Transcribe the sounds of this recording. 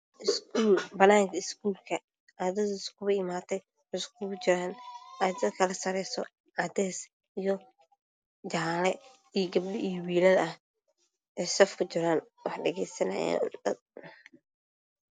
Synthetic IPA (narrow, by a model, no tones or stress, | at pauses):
ʔɪskuːlbɐnaːŋkʰɐɪskʰuːlkʰɐ | ʔad̪ɐðɪskʰʊβɐɪmaːt̪ʰɛj | ʊsk̚ʊβt͡ʃɪɾaːnaːd̪ɐd̪kʰɐlɐsɐɾɛsɔ | ʕɑd̪ɛːs | ijɔ | t͡ʃaːlɛ | ijɡɐb̚ɗɪʔijwiːlɐlɐh | ʔɛsɐfkʰʊt͡ʃɪɾaːnwɑħɖɐɣɛjsɐnɐ̰ja̰ːd̪̥ɐd̪̚